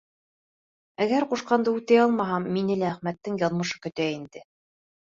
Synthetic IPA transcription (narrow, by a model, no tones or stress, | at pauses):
æɡæɾquʃqɑnd̪ɤʉt̪æjɑlˠmɑɦɑmːinɘlæːχmæt̪ːɘŋjɑðmɤ̆ʃɤ̥kɵ̆t̪æind̪ɘ